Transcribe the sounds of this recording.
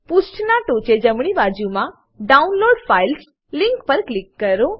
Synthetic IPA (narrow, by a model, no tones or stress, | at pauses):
pusʈnaʈot͡ʃed͡ʒəmɽ̃ibad͡ʒumã | ɖaunloɖfajls | lɪŋkpəɾklɪkːəɾõ